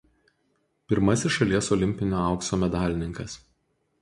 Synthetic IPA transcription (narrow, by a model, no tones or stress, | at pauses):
pʲɪɾmɐsʲɪʃʃɐlʲiɛsɔlʲɪmʲpʲɪnʲoːɑʊksoːmʲɛd̪ɑːlʲɪnʲɪŋkɐs